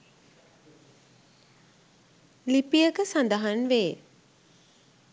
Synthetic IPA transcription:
lipijəkəsand̪əɦanʋeː

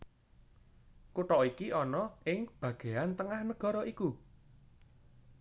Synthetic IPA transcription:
kuʈɔʔikiʔɔnɔʔɪŋb̥ä̤ɡ̥e̤ant̪əŋahnəɡ̥ɔ̤ɾɔʔiku

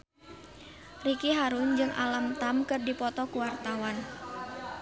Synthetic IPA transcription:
rikiɦaɾʊnd͡ʒɨŋʔa̰lamt̪amkɨrdipɔt̪ɔkuwart̪awan

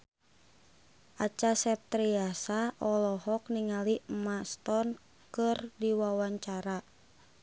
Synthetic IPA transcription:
ʔat͡ʃasɛp̚t̪ɾiasaʔɔlɔɦɔk̚niŋalimast̪ɔn | kɨrdiwawaɲt͡ʃaɾa

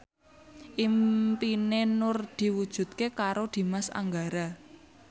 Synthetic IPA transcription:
ʔimpinenʊrd̪̥i̤wud̥ʒ̥ṳt̪̚kekaɾod̪̥i̤masa̰ŋɡaɾa

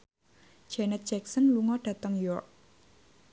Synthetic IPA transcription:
d͡ʒɛnɛt̪̚d͡ʒ̥ɛk̚sənluŋɔɖ̥ä̤t̪əŋjɔrk̚

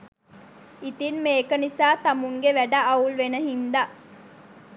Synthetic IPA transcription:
it̪inmeːkənisaːt̪ɐmuŋɡeʋæɖaʔɐulʋenəɦind̪aʔ

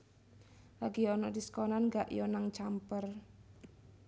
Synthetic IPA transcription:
laɡiɔnɔdiskɔnanŋɡaʔjɔnaŋt͡ʃampər

